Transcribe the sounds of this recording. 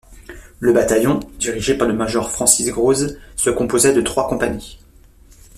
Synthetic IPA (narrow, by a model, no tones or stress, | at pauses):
ləbat̪ajɔ̃d̪iʁiʒepaʁləmaʒɔʁfχɑ̃sisɡʁozsəkɔ̃pozɛd̪ət̪χwakɔ̃paɲi